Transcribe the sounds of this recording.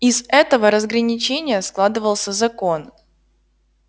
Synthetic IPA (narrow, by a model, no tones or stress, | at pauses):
ɪzɛt̪əvəɾəzɡɾənʲɪt͡ɕenʲɪjəsklˠad̪ɨvəlˠsʲəzɐko̞n